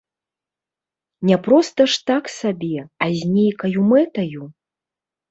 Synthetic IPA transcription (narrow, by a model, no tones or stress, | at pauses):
nʲɛpɾɔst̪ɐʂt̪aksabʲɛazʲnʲejkɐjumɛt̪ɐju